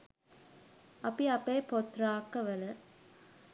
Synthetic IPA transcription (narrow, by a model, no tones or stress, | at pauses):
ɐpiɐpeːpot̪ɾaːkːɐʋɐlɐ